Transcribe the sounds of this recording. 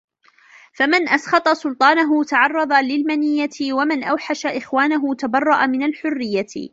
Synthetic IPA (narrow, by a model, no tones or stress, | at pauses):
famɪnʔɑsxɑt̪ˤɑsʊlt̪ˤɑːnaɦʊt̪aʕɑrˤːɑd̪ˤɑlɪlmanɪjːaɪwamɪnʔawħaʃaʔɪxwaːnaɦʊt̪abɑrˤːɑʔamɪnalħʊrːɪjːa̰